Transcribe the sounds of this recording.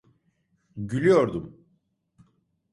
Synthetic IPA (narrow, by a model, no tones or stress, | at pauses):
ɟylʲyjoɾd̪um